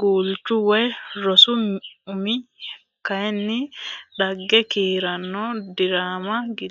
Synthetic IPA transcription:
ɡuːlt͡ʃːʊwɔjɾɔsʊmʊmɪ | kɐɛnːɪɗɐɡːɛkiːɾɐnːɔd̪ɪɾaːmɐɡɪ

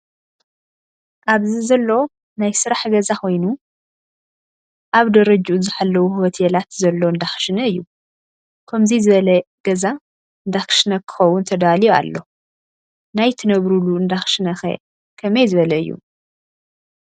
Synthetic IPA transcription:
ʔaβzizɐlːo̞ | najsɨɾaħɡɐzakʰo̞jnu | ʔaβd̪ɐɾɐd͡ʒuzɨħalːɐwuhhot̪ʰelat̪zɐlːo̞ɨnd̪axʃɨnɐɨjːu | kʰɐmzizɨβɐlɐɡ̥ɐza | ɨnd̪axʃnɐkʰɨ̥xɐwːʊnt̪ʰɐd̪alija̰lːo̞ | najt̪ʰɐnɐβɾuluɨnd̪axʃɨnɐxḛ | kʰɐmɐjzɨβɐlɐɨjːṵ

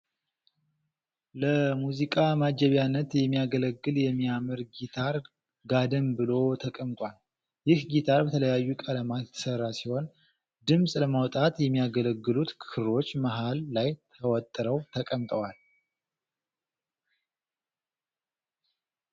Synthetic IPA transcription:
ləmuzikʼamad͡ʒɛβjanːət̪jɛmːijaɡələɡːɨljɛmːijamɨɾɡit̪ʰaɾ | ɡad̪ɨmbɨlo̞t̪ʰəkʼəmt̪ʼwal | jɪhɡit̪ʰaɾbət̪ʰələjajːukʼələmajt̪ʰə̥sərːasiho̞n | d̪ɨmsʼləmawt̪ʼat̪jɛmːijaɡələɡːɨlut̪kkʰɨɾo̞t͡ʃːməɦalːajt̪ʰəwɔt̪ʼːɨɾəwt̪ʰəkʼəmt̪ʼəwal

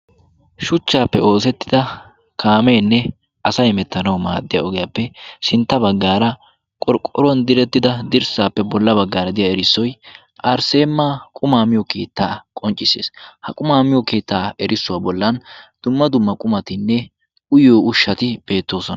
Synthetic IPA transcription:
ʃʊt͡ʃːaːpːɛo̞ːs̬ɛt̪ːɪ̥d̪ɐ | kʰaːmeːnːɛ | ʔɐsɐjmɛt̪ːɐnɐwma̰ːd̪ːɪja̰ɔɡɪjapːɛʃɪnt̪ːɐbɐɡːaːɾɐ | kʼɔɾkʼːɔɾʊwɐnd̪ɪɾɛt̪ːɪd̪ɐd̪ɪɾsaːpːɛbɔlːɐbɐɡːaːɾɐd̪ɪjaɛɾɪsːɔj | ʔɐɾse̞ːmːaːkʼʊmaːmɪjɔke̞̰ːt̪ːaːkʼɔnt͡ʃʼːɪsḛːshɐkʼʊmaːmɪjɔke̞ːt̪ːaːɛɾʔɪsʊwaːbɔlːɐnd̪̥ʊmːɐd̪ʊmːɐkʼʊmɐt̪ɪnːɛ | ʊjoːʊʃːɐt̪ɪb̥e̞ːt̪ːo̞ːsɔnɐ

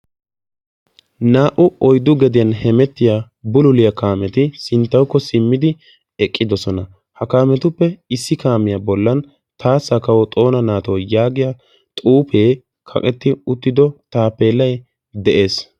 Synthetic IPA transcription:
naːʔʊɔjd̪ʊɡɛd̪ɪjɐnhɛmɛt̪ːɪja | bʊlʊlɪjɐkaːmɛt̪ɪsɪnt̪ːɐwkːɔsɪmːɪd̪ɪ | ɛkʼːɪd̪ɔsɔnɐ | hɐkaːmɛt̪ʊpːɛɪsːɪkaːmɪjabɔlːɐn | t̪ʰaːsːɐkɐwɔt̪ʼo̞ːnɐnaːt̪ɔwjaːɡɪja | t̪ʼuːpe̞ː | kʰɐ̰kʼɛt̪ːɪʊt̪ːɪd̪ɔt̪aːpːe̞ːlːɐj | d̪ɛʔe̞ːs

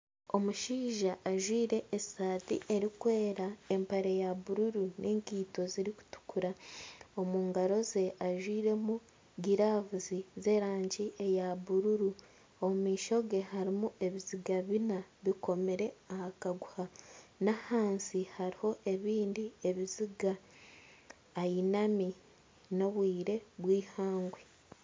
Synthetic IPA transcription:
o̞muʃiːʒaʔːʒwiːɾe̞ʔːsaːtḭʔe̞ɾikwe̞ːɾae̞mpaɾe̞jaβuɾuɾunʔeːŋkiːto̞ziɾiku̥tu̥kuɾaomuːŋɡaɾo̞ze̞aʒwiːɾe̞mu | ɡiɾavuzize̞ːɾaːɲɟie̞jaβuɾuɾu | omumiːʃo̞ɡe̞haɾimuʔe̞βiziɡaβinaβiko̞meɾe̞ahakaɡuhanahaːnsihaɾiho̞ʔe̞βiːndie̞βiziɡa | jinami | no̞βwiːɾe̞βwiːhaːŋɡwe

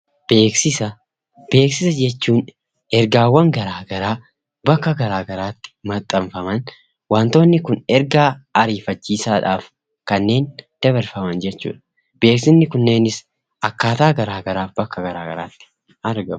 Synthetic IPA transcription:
b̥eːksɪsɐ | b̥e̞ːksɪsɐd͡ʒɛt͡ʃːuːn | ɛɾɡaːwːɐŋɡɐɾaːɡɐɾaː | bɐkːɐɡɐɾaːɡɐɾaːt̪ːɪ̥mɐt̪ʼːɐmfɐmɐn | waːnt̪o̞ːnːɪkʊnɛɾɡaːɐɾiːfɐt͡ʃːiːsaːᶑaːf | kɐnːe̞ːnd̪̥ɐβɐɾfɐmɐnd͡ʒɛt͡ʃːṵːᶑɐ̥ | b̥e̞ːksɪnːɪkʊnːe̞ːnɪs | ʔɐkːaːt̪aːɡɐɾaːɡɐɾaːbɐkːɐɡɐɾa̰ːɡɐ̰ɾa̰ːt̪ːɪ̥ | ɐɾɡɐm

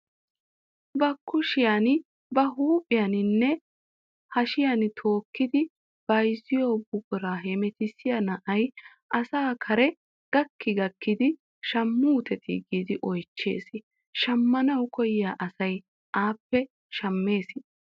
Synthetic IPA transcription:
bɐkːʊʃɪjaːn | bɐɦuːpʼɪjanɪnːɛ | hɐʃɪjant̪ʰo̞ːkːɪd̪ɪ | b̥ɐjzɪjo̞ːbʊɡʼʊɾaːɦɛmɛt̪ɪsɪjɐnɐʔɐj | ʔɐsaːkʰɐɾɛ | ɡ̥ɐkːɪɡɐkːɪd̪ɪ | ʃɐmːuːt̪ɛt̪ʰɪ̰ɡiːd̪ɪʔɔjt͡ʃːe̞̰ːs | ʃɐmːɐnɐwkɔjɪjaːʔɐsɐj | ʔaːpːɛ | ʃɐmːe̞ːsɪ

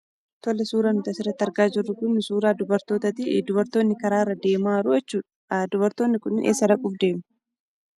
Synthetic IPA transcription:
t̪ɔlːɐsuːɾanʊt̪ɐsɪrːɐt̪ːɐɾɡaːd͡ʒɪrːʊkʊnːʊsuːɾaːd̪ʊbɐɾt̪o̞ːt̪ɐt̪ɪd̪ʊβɐɾt̪o̞ːnːɪkɐɾaːɪrːɐd̪e̞ːmaːɾʊɛt͡ʃːuːᶑɐ̥d̪ʊbɐɾt̪oːnːɪkʊnɪnʔḛːsːɐdɐkʼuːfd̪e̞ːmʊ̥

